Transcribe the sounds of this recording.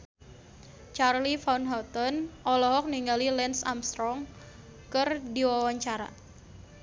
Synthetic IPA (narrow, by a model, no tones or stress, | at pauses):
t͡ʃarlifanɦɔt̪ɔnɔlɔɦɔk̚niŋɡalilɛnsa̰mst̪ɾɔŋ | kərdiwawaɲt͡ʃaɾa̰